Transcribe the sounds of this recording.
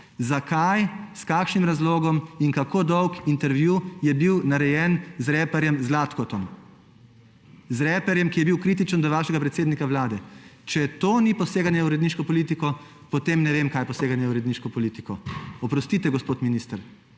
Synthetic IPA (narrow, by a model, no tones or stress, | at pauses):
zakʰajskaːkʃnimɾazloːɡɔmiŋkakod̪ɔwkint̪ɛɾʋjujɛbiwnaɾɛjɛnzɾɛpɛɾjɛmzlaːt̪kɔt̪ɔm | zɾɛpɛɾjɛmkijɛbiwkɾiːt̪it͡ʃənd̪ɔʋaːʃɛɡapɾɛt̪seːd̪nikawlaːd̪ɛt͡ʃɛt̪oːnipɔseːɡanjɛuɾɛd̪niːʃkɔpɔliːt̪ikɔ | pɔt̪emnɛʋemkajpɔseːɡanjɛuɾɛd̪niʃkɔpɔliːt̪ikɔɔpɾɔst̪iːt̪ɛɡɔspoːt̪miniːst̪əɾ